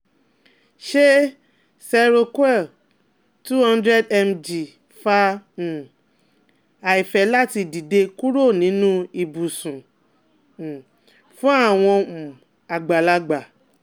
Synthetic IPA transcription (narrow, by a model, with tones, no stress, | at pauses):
ʃe˦ | sɛ˧ɾo˧kwɛ˦˨ | tu˦hã˦ndɾɛ˦dɛ˧md͡ʒi˨ | fa˧ũ˨ | a˨i˨fɛ˨˦la˦ti˧di˨de˧ku˦ɾo˦˨nĩ˨˦nũ˦i˨bu˨sũ˨ | ũ˨ | fũ˦a˦˨w̃ɔ̃˧mũ˨ | a˨ɡ͡ba˨la˧ɡ͡ba˨